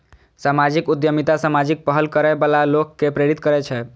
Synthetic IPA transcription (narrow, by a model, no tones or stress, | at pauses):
samad͡ʒikud̪jəmit̪asamad͡ʒik̚pəɦəlkəɾɛbalalokːepɾeɾit̪kəɾɛt͡ʃʰɛ